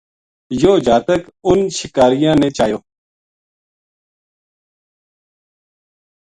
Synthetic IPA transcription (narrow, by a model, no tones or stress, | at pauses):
joːd͡ʒaːt̪əkʊnʃɪkaːɾɪjãːnẽːt͡ʃaːjoː